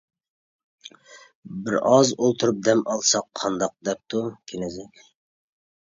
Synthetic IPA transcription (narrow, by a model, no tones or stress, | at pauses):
bɪɾɑzolˠt̪ʰuɾup̚d̪ɛmɑlˠsɑqʰːɑnd̪ɑq̚d̪ɛp̚t̪ʰukʲʰenɪzɪkʲ